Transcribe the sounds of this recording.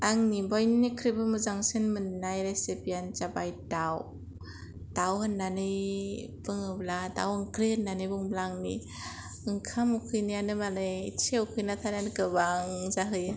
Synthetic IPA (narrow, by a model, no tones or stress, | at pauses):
aŋnibɔjnikʰɾibɯmɯzaŋsinmɯnːajɾesipijanz̥abajdaw | d̥awhɯnːanɯjb̥ɯŋɯblada̰wɯŋkʰɾeɯnːanɯbɯŋblaŋnḭ | ɯŋkʰamukʰɯjnijanɯmalejit͡ʃʰewkʰɯjnatʰanankɯbaŋzaɦɯjɯ